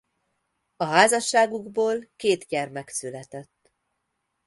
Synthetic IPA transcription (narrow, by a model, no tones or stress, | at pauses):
ɒɦaːzɒʃːaːɡuɡboːlkeːt̪ɟɛrmɛksylɛt̪ɛt̪ː